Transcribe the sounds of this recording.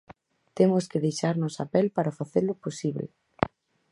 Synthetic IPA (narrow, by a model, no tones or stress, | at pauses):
t̪emʊskeðejʃaɾnʊsa̰pɛlpaɾafaθeɾlʊposiβlḛ